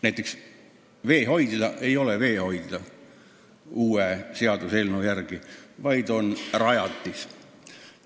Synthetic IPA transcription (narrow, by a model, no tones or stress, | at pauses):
næjt̪ːˑe̞ks | ve̞ːɦo̞jd̪̥d̪ɑʔe̞jo̞leve̞ːho̞jd̪̥d̪̥ɑ | uːese̞ɑd̪uselnujærɡ̥ivɑjd̪o̞nrɑjɑt̪ːis